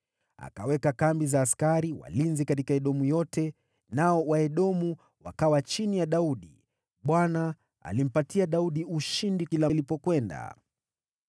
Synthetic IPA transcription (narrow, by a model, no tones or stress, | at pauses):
a̰kawɛkakambizaːskaɾiwa̰linzikatikaɛɗɔmujɔtʰɛ | naɔwaɛɗɔmu | wa̰kawat͡ʃinijaɗauɗi | ɓwana | a̰lim̩patiaɗauɗiuʃindikilalipɔkwɛnda̰